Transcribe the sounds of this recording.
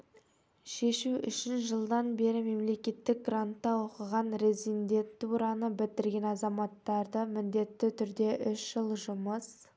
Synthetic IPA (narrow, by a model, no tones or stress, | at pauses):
ʃe̞ʃuʔʏ̰ʃɪnʒəlˠd̪ɑnbe̞ɾɪme̞mle̞kʲe̞t̪ːɪk̚ɡrant̪ːɑwoqəʁɑnɾe̞zind̪e̞nt̪t̪ːuɾɑnəbɪt̪ɪɾɡʲe̞nɑzɑmɑt̪ːɑɾd̪əmɪnd̪e̞t̪ːɪt̪ʰʏɾd̪e̞ʔʏʃʒ̥əlˠʒʊməs